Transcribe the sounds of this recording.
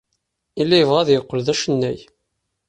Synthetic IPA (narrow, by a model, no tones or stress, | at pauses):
ilːæjəvʁæðjəqːəlðæʃənːæj